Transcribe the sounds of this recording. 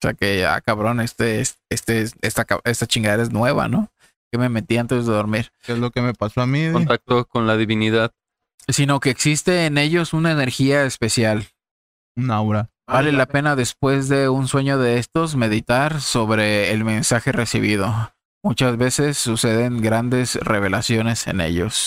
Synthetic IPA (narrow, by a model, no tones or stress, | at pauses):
osea̰kea̰kaβɾo̞ne̞st̪eesest̪esest̪aka̰e̞st̪at͡ʃiŋɡaðeɾae̞znwe̞βa̰no̞ | keme̞me̞t̪iant̪e̞zðe̞ðo̞ɾmiɾkezlo̞kemepasoamiont̪ak̚t̪okonlaðiβiniðað | sino̞ke̞ːksist̪e̞ːne̞ʝo̞sunaene̞ɾxiaespe̞sjal | unawɾa | bale̞lape̞naðe̞spwe̞zðe̞unswe̞ɲo̞ðe̞est̪o̞s̬me̞ðit̪aɾso̞βɾe̞ːlmẽ̞nsaxe̞re̞sḭβ̞ið̞o̞ | mut͡ʃazβe̞se̞sːuse̞ðe̞ŋɡɾand̪e̞sre̞β̞e̞lasjo̞ne̞se̞̰nḛʝo̞̰s